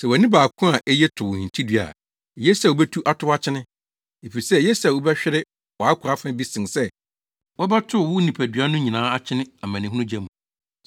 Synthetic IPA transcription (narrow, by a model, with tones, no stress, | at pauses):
sɛ˨wnɪ̃˦baː˨kʰʊ̃˦a˨ʔɛ˦jɛ˦tʰʊ˨ʊ˨hĩ˨ntʰi˦dɥa̰˨ | je˦sa˨wo˨˦bɛ˦tʰu˦ʔa˦tʰʊ˦a˦t͡ɕʰɪ˦nɪ̃˦ | e˨fi˨sɛ˦je˦sa˨wo˦bɛ˦ɕᶣɪ˦ɾɪ˦ | wɔ˨a˦kʰʊ˨ɾa˦fã˦bi˦sɪ̃˨nsɛ˦ | wɔ˦ba˦tʰʊ˦˨wʊ˦nĩ˨pʰæ˨dɥa˦nʊ̃˦ɲĩ˨nãː˨˦a˦t͡ɕʰɪ˦nɪ̃˦a˨mæ̃˨nɪ̃˨ɦũ˦nʊ̃˦d͡ʑɛ˦mũ˨